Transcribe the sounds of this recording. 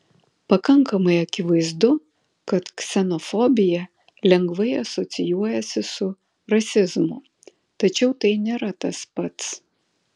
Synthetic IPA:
pɐkɐŋkɐmɐɪɐkʲɪʋɐɪzd̪ʊ | kɐt̪ksʲɛnɔfɔbʲɪjɛ | lʲɛŋɡʋɐɪɐsɔt̪sʲɪjuɔjɛsʲɪsʊ | ɾɐsʲɪzmʊ | t̪ɐt͡ʃʲɛʊt̪ɐɪnʲeːɾɐt̪ɐspɐt̪s

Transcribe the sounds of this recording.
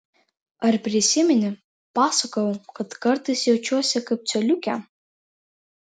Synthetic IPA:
ɐrpʲɾʲɪsʲɪmʲɛnʲɪ | paːsɐkɐokɐtkɐrt̪ɐjsjɛwt͡ʃʰʲuɔsʲɛkɐp̚t͡ʃʰʲɛlʲukʲɛ

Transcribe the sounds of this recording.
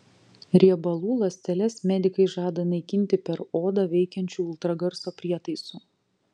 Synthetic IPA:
ɾʲiɛbɐlˠuːlˠɐsʲt̪ʲɛlʲɛsmʲɛd̪ʲɪkɐɪʒɑːd̪ɐnɐɪkʲɪnʲt̪ʲɪpʲɛɾoːd̪ɐʋʲɛɪkʲɛnʲt͡ʃʲuːɪlˠt̪ɾɐɡɐɾsoːpʲɾʲiɛt̪ɐɪsuː

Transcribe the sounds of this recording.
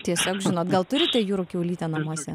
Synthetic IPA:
t̪ʲiɛsʲoːkʒʲɪnoːt̪ɡɐlˠt̪ʊɾʲɪt̪ʲejuːɾʊkʲɛʊlʲiːt̪ʲɛnɐmuɔsʲɛ

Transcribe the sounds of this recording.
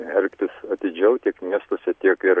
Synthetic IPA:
ɛlʲkʲt̪ʲɪsɐt̪ʲɪd͡ʒʲɛʊt̪ʲiɛkmʲiɛst̪oːsʲɛt̪ʲiɛkɪɾ

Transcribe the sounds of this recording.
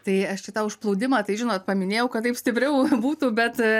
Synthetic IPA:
t̪ɐɪɐʃʃʲɪt̪ɑʊʃplˠɐʊd̪ʲɪmɑːt̪ɐɪʒʲɪnoːt̪̚pɐmʲɪnʲeːjɛʊkɐt̪ːɐɪpsʲt̪ʲɪpʲɾʲɛʊbuːt̪uːbʲɛt̪

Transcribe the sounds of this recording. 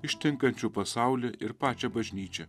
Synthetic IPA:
ɪʃʲt̪ʲɪŋkɐnʲt͡ʃʲuːpɐsɑʊlʲɛʔɪɾpɑːt͡ʃʲɛbɐʒʲnʲiːt͡ʃʲɛ

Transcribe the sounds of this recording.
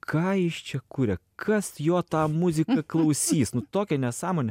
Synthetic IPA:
kʰɑːjɪʃt͡ʃʲɛkuɾʲɛkʰɐsjoːt̪ɑːmʊzʲɪkɐklˠɐʊsʲiːsnʊt̪oːkʲɛnʲɛsɑːmoːnʲɛ

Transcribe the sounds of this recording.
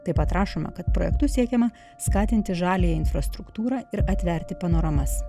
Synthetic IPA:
t̪ɐɪpɐt̪ɾʔɑːʃoːmɐ̰kɐt̪̚pɾo̰ːjɛ̰k̚t̪ʊsʲiɛkʲɛmɐ | skɑːt̪ʲɪnʲt̪ʲɪʒɑːlʲɪjɛɪnfɾɐst̪ɾʊkt̪uːɾɑːɪɾɐt̪ʲʋʲɛɾʲt̪ʲɪpɐnoːɾɐmɐs

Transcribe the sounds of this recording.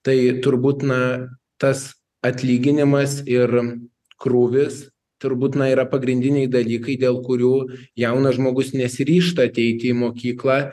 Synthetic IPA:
t̪ɐɪt̪ʊɾbuːt̪nɐ | t̪ɐs | ɐt̪ʲlʲiːɡʲɪnʲɪmɐsɪr | kruːʋʲɪs | t̪ʊɾbuːt̪nɐiːɾɐpɐɡɾʲɪnʲd̪ʲɪnʲɛɪd̪ɐlʲiːkɐɪd̪ʲeːlˠkʊɾʲuːjɛʊnɐʒmoːɡʊsnʲɛsʲɪɾʲiːʃt̪ɐɐt̪ʲɛɪt̪ʲɪɪmoːkʲiːklˠɑː

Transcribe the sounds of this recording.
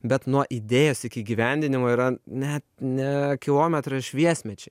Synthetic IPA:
bʲɛt̪nuɔʔid̪ʲeːjoːsɪkʲɪiːɡʲiʋʲɛnʲd̪ʲɪnʲɪmoːiɾɐnʲɛt̪nʲɛkʲɪlˠoːmʲɛt̪ɾɐɪʃʲʋʲiɛsʲmʲɛt͡ʃʲɛ

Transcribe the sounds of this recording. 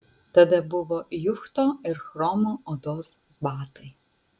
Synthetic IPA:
t̪ɐd̪ɛbuʋɔjuxt̪ɔɪɾxɾɔmɔɔd̪ɔz | baːt̪ɪ

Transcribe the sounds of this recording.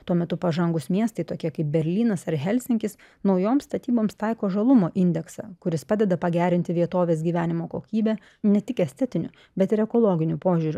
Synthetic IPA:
t̪uɔmʲɛt̪ʊpɐʒɐŋɡʊsmʲiɛst̪ɐɪt̪oːkʲiɛkɐɪp̚bʲɛɾʲlʲiːnɐsɐɾɦʲɛlʲsʲɪŋʲkʲɪs | nɒʊjoːmst̪ɐt̪ʲiːboːmst̪ɑɪkoːʒɐlˠʊmoːʔɪnʲd̪ʲɛksɑ̰kʊɾʲɪspɑːd̪ʲɛd̪ɐpɐɡʲæːɾʲɪnʲt̪ʲɪʋʲiɛt̪oːʋʲeːsɡʲiːʋʲæːnʲɪmoːkoːkʲiːbʲæː | nʲɛt̪ʲɪkɛsʲt̪ʲɛt̪ʲɪnʲʊ | bʲɛt̪ɪɾɛkoːlˠoːɡʲɪnʲʊpoːʒʲuːɾʲʊ

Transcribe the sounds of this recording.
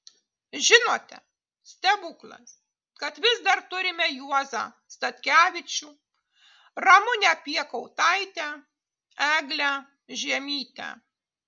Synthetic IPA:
ʒʲɪnoːt̪ʲɛ | sʲt̪ʲɛbʊklˠɐ̰s | kɐt̪ʋʲɪzd̪ɐɾt̪ʊɾʲɪmʲɛjuɔzɑ̰ː | st̪ɐt̪ʲkʲæːʋʲɪt͡ʃʲu | ɾɐmʊnʲɛpʲiɛkɔʊt̪ɐɪt̪ʲæ | æːɡlʲæː | ʒʲiɛmʲiːt̪ʲæ̰

